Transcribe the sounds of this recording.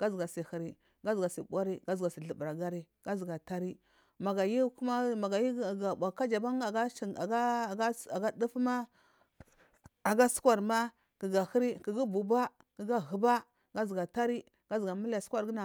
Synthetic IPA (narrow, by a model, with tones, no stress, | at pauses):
ɡ̥a˦zɡa˨si˨hi˨ɾi˦ | ɡa˦zɡa˨sḭ˨bʷa˦ɾi˦ɡa˦zɡa˨si˨ɮə˨bɾa˨ɡa˦ɾi˦ | ɡ̥a˦zɡa˨ta˦ɾi˦ | ma˨ɡa˨ji˦ku˦ma˦ma˨ɡa˨ji˦˨ɡa˨a˨ka˦d͡ʒa˨ba˦ŋa˨a˦i˨a˨ɡa˦˨ɡa˦a˨ɡa˦du˦fma˦ | a˨ɡa˦su̥˦kwa˨ɾma˦ | ki˨ɡa˨hə˦ɾi˦ki˨ɡi˦bu˨ba˦ | ki˨ɡa˦ɣə˨ba˦ | ɡa˦zɡa˨ta˦ɾi˦ | ɡ̥a˦zɡa˨mi˦la˨sʷa˦ɾɡi˦na˨